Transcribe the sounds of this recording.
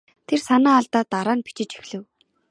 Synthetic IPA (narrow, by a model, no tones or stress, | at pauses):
t̪ʰersanaːɮt̪aːt̪ːaɾaːnpi̥t͡ɕɪ̆t͡ɕi̥xɮɘ̆w